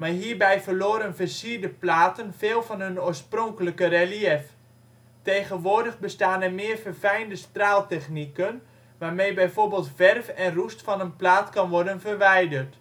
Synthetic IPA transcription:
maːɹɦiːɹbɛjfərloːɾənfəsiəɹdəplaːtənfeːlˠvɑnɦɵnoːəsproŋkələkərɛliɛf | tejχənʋʊːdəχbəstaːnɛrmɪːərfərfɛjndəstraːlˠtɛxnikən | ʋaːrmejbɛjfoɹbeːlˠtfɛrfɛnrustfɑnənplaːtkɑnʋɔrdənfərʋɛjdərt

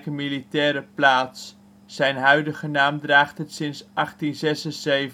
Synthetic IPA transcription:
kəmilitɛːɾəplaːtsː | ɛjnɦœɥdəχənaːmdraːχtɦətsɪnsʔɑχtinzɛsənzejv

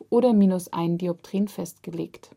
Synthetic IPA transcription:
ʔoːɾɐmiːnʊsʔa̰ɪndiɔp̚tʁ̥iːnfɛstɡ̥əlḛːkt

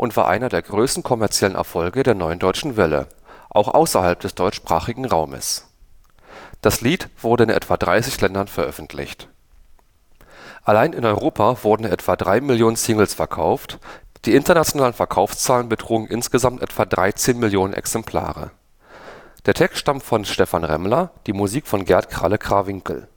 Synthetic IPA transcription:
ʔʊntv̥aːɐʔa̰ɪnɐdeːɐɡʁøːstn̩kʰɔmɛɐt͡sjɛlənʔɛ̰ɐfɔlɡədeːɐnɔʏəndɔʏt͡ʃn̩vɛlə̰ | ʔaʊxʔa̰ʊsɐhalp̚d̥ɛsd̥ɔʏt͡ʃʃpʁ̥a̰ːχɪɡŋ̩ʁa̰ʊmə̰s | d̥asliːtv̥ʊɐdəɪnʔɛ̰tv̥adʁaɪsɪçlɛndɐnfɛɐʔœfn̩tʰlɪ̰çt | ʔalaɪnɪnɔʏʁoːpʰavʊɐdn̩ʔɛtv̥adʁaɪmɪljoːnənsɪŋl̩sfɛɐkʰaʊftd̥iːɪntɐnat͡sjonaːlənfɛɐkʰaʊfst͡saːlənbətʁ̥uːɡŋ̩ʔɪ̰nsɡ̥əzamtʔɛ̰tv̥adʁa̰ɪt͡seːnmɪljoːnənʔɛ̰ksɛmpʰl̥a̰ːʁə̰ | d̥eːɐtʰɛkstʃtamtfɔnʃtɛfanʁɛ̰mlɐd̥iːmuziːkfɔnɡɛɐtkʁ̥a̰ləkʁ̥avɪŋkl̩

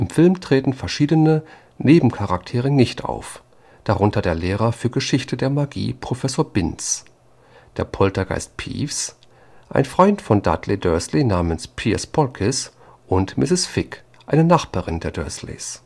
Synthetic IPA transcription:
ʔɪmfɪlmtʁ̥eːtn̩fɛɐʃiːdənə | neːbm̩kʰaʁaktʰeːʁ̞ənɪçtʔa̰ʊf | d̥aʁʊntʰɐdeːɐleːʁɐfyːɐɡəʃɪçtədeːɐmaɡḭːpʁ̥ofɛsoːɐbɪns | d̥eːɐpʰɔltɐɡa̰ɪst̚pʰḭːfs | ʔa̰ɪnfʁ̥ɔʏntfɔnda̰tʰledœɐslenaːmənspʰiɐ̰spʰɔlkʰɪs | ʔʊntmɪsɪsfɪk | ʔaɪnənaχb̥aːʁɪndeːɐdœ̰ɐslḛːs

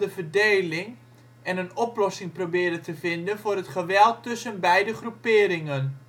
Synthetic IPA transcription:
dəvərdejlɪŋ | ɛnənɔplɔsɪŋprobɪːdətəvɪndənvʊːrɦətχəʋɛlˠtːɵsənbɛjdəχrupɪːɾɪŋən

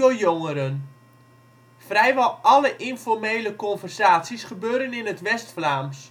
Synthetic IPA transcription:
ojoŋəɾən | frɛjʋɔlˠɔləʔɪnfɔrmeːləkɔnfərzaːsisχəbøːɾənɪnətʋɛstflaːms

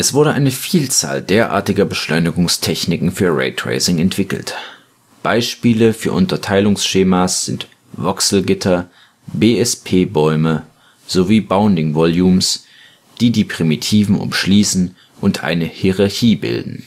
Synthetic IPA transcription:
ʔɛsv̥ʊɐdəʔaɪnəfiːlt͡sa̰ːldeːɐʔa̰ːɐtɪɡɐbəʃlɔʏnɪɡʊŋstʰɛçnɪkŋ̩fyːɐʁɛ̰ɪtʁ̥ḛɪsɪŋɛntv̥ɪkl̩t | b̥aɪʃpiːləfyːɐʔʊntɐtʰaɪlʊŋsʃeːmasz̥ɪnt | vɔksl̩ɡɪtʰɐ | beːɛspʰeːbɔʏmə | z̥oviːbaʊndɪŋvɔljuːms | d̥iːdiːpʁ̥imitʰiːvn̩ʔʊ̰mʃliːsn̩ | ʔʊntʔa̰ɪnəhiʁaɐçiːbɪ̰ldn̩

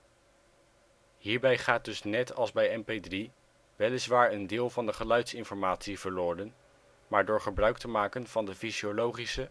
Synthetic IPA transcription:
hiːɹbɛjχaːt̚dɵsnɛtɑlˠzbɛjɛmpejdri | ʋɛlɪzʋaːɹəndɪːlˠvɑndəχəlœɥtsɪnfɔɹmaːtsiv̥əɹlʊːɹdən | maːɹdʊːɹχəbrœɥk̚təmaːkənv̥ɑndəfiziolowχisə

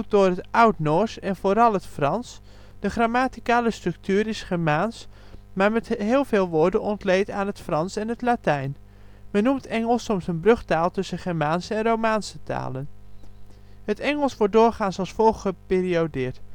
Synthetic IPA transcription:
t̚dʊːrɦətʌwtnɔɹsɛnvoːɾɑlˠɦətfrɑns | d̥əχraːmaːtikaːləstrɵk̚tyːɾɪsχɛɹmaːns | maːɹmɛtɦɪːlˠvɪːlˠʋʊːɹdənɔntlejtaːnɦətfrɑnsɛnɦətlatɛjn | mɛnːumtɛŋəlˠsɔmsənbrɵχtaːlˠtɵsəχɛɹmaːnsəɛnrowmaːnsəta̰ːlən | ɦətɛŋəlˠsʋɔɹt̚dʊːɹχaːnsɑlˠsfɔlˠχχəpɪːriodɪːɹt

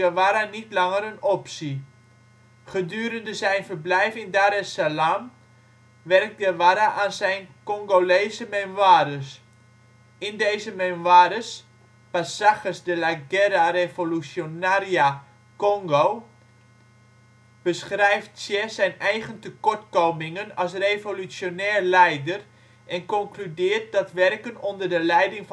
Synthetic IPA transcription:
əʋaɾanitlɑŋərənɔpsi | χədyːɾəndəsɛjnfərblɛjfɪndaɾəsalam | ʋɛrk̚tɡəʋaɾaʔaːnsɛjnkɔŋɡoleːzəmenʋaːdəs | ɪndejzəmenʋaːdəs | pasaxəsdəlaɡɛɾarevolusonaːria | koŋɡo | b̥əsχrɛjftsjɛsɛjnɛjχəntəkɔrtkowmɪŋənɑsrevolysjonɛːrlɛjdər | ʔɛnkɔŋklydɪːrt̚dɔtʋɛrkənondərdəlɛjdɪŋf

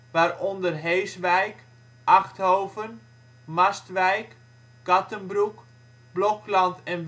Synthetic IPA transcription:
ʋaːrɔndərɦejsʋɛjk | ʔaxthoːvən | mastʋɛjk | ɡ̥ɑtənbruk | blɔklɑntɛn

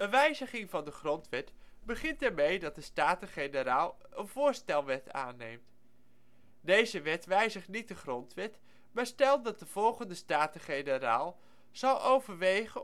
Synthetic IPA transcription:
ənʋɛjzəχɪŋvɑndəχrɔntʋɛtbəχɪntɛɹmejdɑt̚dəstaːtəχejnəɾaːlˠ | ənv̥ʊːɹstɛlˠʋɛtʰa̰ːnejmt | dejzəʋɛtʋɛjzəχtnit̚dəχrɔntʋɛt | maːɹstɛlˠdɑt̚dəv̥ɔlˠχəndəstaːtəχejnəɾaːlˠ | z̥ɑlˠʔowvəɹʋejχə

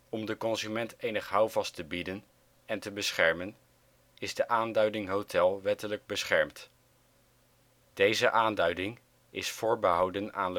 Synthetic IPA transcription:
ɔmdəkɔnzymɛntejnəχɦʌwvɑstəbidən | ɛntəbəsχɛɹmən | ɪzdəʔaːndœɥdɪŋɦowtʰɛlˠʋɛtələɡ̚bəsχɛɹmt | d̥ejzəʔaːndœɥdɪŋ | ɪsfʊːɹbəɦɑwdəna̰ːn

